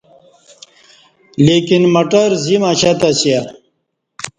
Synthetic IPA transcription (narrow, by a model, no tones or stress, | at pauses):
leːkinmɐʈɐɾzimaɕat̪asija